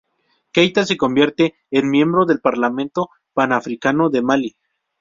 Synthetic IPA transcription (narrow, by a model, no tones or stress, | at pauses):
kejt̪as̬e̞ko̞mbje̞ɾt̪e̞ː | nmje̞mbɾo̞ðe̞lpaɾlamẽ̞nt̪o̞ | panafɾikano̞ðe̞mali